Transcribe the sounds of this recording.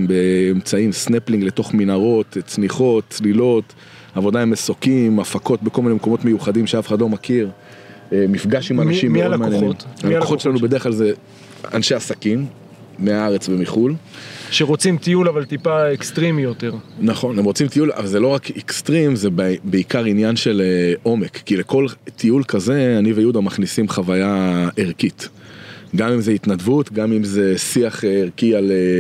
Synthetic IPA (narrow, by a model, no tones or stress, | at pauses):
mbeːmt͡saimsnepliŋɡle̞to̞χminaʁo̞t̪t͡smiχo̞tt͡slilo̞t̪ | avo̞d̪aemesokimafako̞t̪̚bekolminemeko̞mo̞t̪me̞juχadimʃeafad̪lo̞makiʁ | emifɡaʃimaʃimlmaanjenimtaoχot͡ʃʃelanube̞deʁχklalze | a̰nʃe̞asakimː | eaaʁet͡sbemiχulʃeʁot͡simt̪ijulavalt̪ipaekst̪ʁimijot̪e̞ʁnaχo̞nemʁo̞t͡simt̪iula̰valzelo̞ʁakʰekst̪ʁimzebbeikaʁinjanʃe̞leo̞me̞kːile̞ko̞lt̪ʰiulkaze̞anivejud̪amaχnisimχavajaeʁkit̪ | ɡamimzeit̪nadvut̪ɡamimze̞siaχeʁkiale